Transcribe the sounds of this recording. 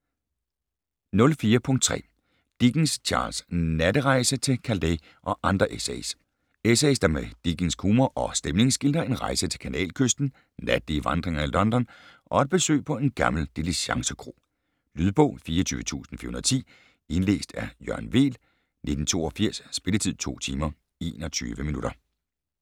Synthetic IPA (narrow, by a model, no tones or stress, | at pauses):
nɔ̽lfiːɐpʰɔ̽ŋd̥̚t͡sʰʁɛ̰ː | d̥iɡ̥n̩st͡ɕʰɑ̰̈ːlsnæɾəʁɑ̈ɪsət͡sʰe̝lkʰæld̥e | ʔɒ̽ʔɑ̈nd̥ʁɐʔesḛs | esesd̥ɑ̈med̥iɡ̥n̩skʰuːmɐʔɒ̽sd̥emle̝ŋsɡ̥ild̥ɐe̝nʁɑ̈ɪsət͡sʰe̝lkʰænɛ̰ːlkʰøsd̥n̩ | næd̥liəʋɑ̈nd̥ʁeŋɐilɒ̽nd̥ɒnʔɒ̽ed̥̚b̥e̝sø̰ːpʰɒ̽e̝nɡ̥ɑ̈ml̩d̥eliɕɑ̈ŋsəkʰʁo̝̰ː | lyðˠb̥ɔ̰̽ʊ̰fiːɐɒt͡sʰy̰ːʋət͡sʰṵːsn̩fḭɐhunɐðˠt͡sʰḭː | e̝nle̝̰ːsd̥æɐjœɐnʋe̝̰ːl | ne̝d̥n̩t͡sʰo̝̰ːɒ̽fiɐ̰sːb̥e̝lət͡sʰið̰ˠt͡sʰo̝̰ːt͡sʰiːmɐ | e̝ːnɒt͡sʰy̰ːʋəminuɾ̥ɐ